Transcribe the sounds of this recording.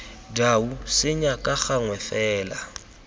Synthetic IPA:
dausɪɲakʼaɣaŋwɛfɛːla

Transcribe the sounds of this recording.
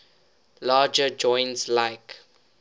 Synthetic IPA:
laːd͡ʒəd͡ʒɔ̃ɪ̃nslaɪk

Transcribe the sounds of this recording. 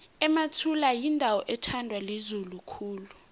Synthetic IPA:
ɛmatʰulajindʱawɔʔɛtʰandʱwalizulukʰuːlu

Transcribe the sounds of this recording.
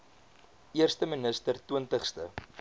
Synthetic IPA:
iərstəmənəstərtuəntəχstə

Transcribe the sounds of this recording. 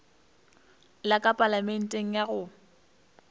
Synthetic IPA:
lakʼapʼalamɛn̩tʼeŋ̩jaɣʊ

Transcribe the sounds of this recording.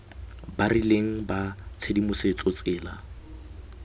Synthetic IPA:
barileŋ̩bat͡sʰedimʊset͡sʼot͡sʼɪːla

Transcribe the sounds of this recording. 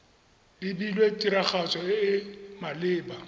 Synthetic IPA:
dɪbilwetʼiɾaχat͡sʼɔɪmalɪːba

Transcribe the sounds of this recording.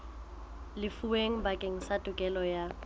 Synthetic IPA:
lɪfuweŋ̩bakʼeŋ̩sadʼʊkʼɛlɔja

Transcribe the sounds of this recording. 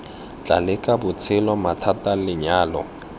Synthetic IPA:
t͡ɬʼa̰lɪkʼabʊt͡sʰɪlɔmatʰatalɪɲaːlɔ̰

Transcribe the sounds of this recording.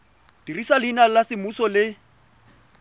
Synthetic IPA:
d̥irisalɪnalasɪmusɔlɪ

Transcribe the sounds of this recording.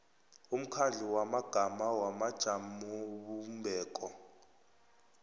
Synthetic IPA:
um̩kʰaɮiwamaɡ̥ʱamawamad̥ʒ̥ʱamuβumbʱɛːkʼɔ

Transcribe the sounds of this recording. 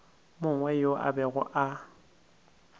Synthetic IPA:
mʊŋwɛjoʔa̰bɛɣʊ̰ʔa

